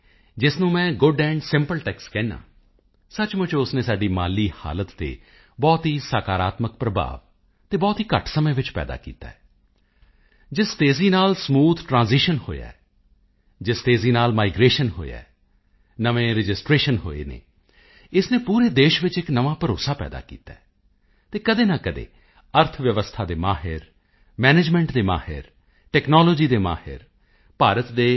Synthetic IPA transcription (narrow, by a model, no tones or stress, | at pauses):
d͡ʒɪsnũːmɛ̃ːɡʊɖɛ̃ːɳɖsɪmpəlʈɛːkskɛ̃ːnã̰ː | sət͡ʃmʊt͡ʃːʊsnẽːsaːɖiːma̰ːliːha̰ːlət̪ːḛː | bɔːt̪ɦiːsaːkaːɾaːt̪mək̚pɾəbʱa̰ːʋ | t̪eːbɔːt̪ɦiːkə̰ʈʰsəmẽːʋɪt͡ʃpɛ̰ːd̪a̰ːkḭːt̪a̰ːɛː | d͡ʒɪst̪eːziːnaːlsmuːt̪ʰʈɾãːziːʃənho̰ːja̰ɛ | d͡ʒɪst̪eːziːnaːlmaːɪɡɾeːʃənɦo̰ːjɛ̰ː | nəʋẽːɾɪd͡ʒɪsʈɾeːʃənɦo̰ːḛːnḛː | ɪsnẽːpuːɾeːd̪eːʃʋɪt͡ʃɪknəʋãːpəɾo̰ːsaːpɛ̰ːd̪a̰ːkḭːt̪aɛ | t̪eːkəd̪eːnãːkəd̪ḛː | əɾt̪ʰʋjəʋəst̪ʰaːd̪eːmaːɦɪɾ | mɛːneːd͡ʒmɛ̃ːɳʈd̪eːma̰ːhɪ̰ɾ | ʈɛːknɔːloːd͡ʒiːd̪eːma̰ːhɪ̰ɾ | paːɾət̪d̪eː